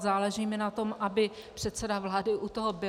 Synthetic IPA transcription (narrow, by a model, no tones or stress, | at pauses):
zaːlɛʒiːmɪnat̪o̞mʔabɪpr̥ɛt̪sɛdavlaːdɪʔut̪oɦobɪ